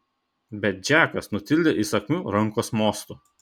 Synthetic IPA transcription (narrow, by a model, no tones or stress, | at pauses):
bʲɛt̪̚d͡ʒʲæːkɐsnʊt̪ʲɪlʲd̪ʲeʔisɐkʲmʲuːɾɐŋˑkoːsmoːst̪u